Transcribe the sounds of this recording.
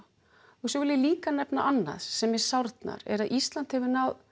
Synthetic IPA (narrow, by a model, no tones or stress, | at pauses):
ɔsɔvɪljliːkanɛpnaʔanːa̰ðsɛmjɛ̥sawɾt̪na̰ɾɛ̰ɾaðʔist̪lant̪hɛvɪnað